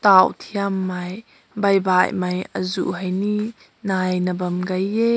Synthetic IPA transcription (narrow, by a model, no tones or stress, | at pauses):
t̪awt̪ʰiamːɐj | bɐjbajmɐjʔəzṵʔɦɐjniʔ | najnəbɐmɡɐjɛ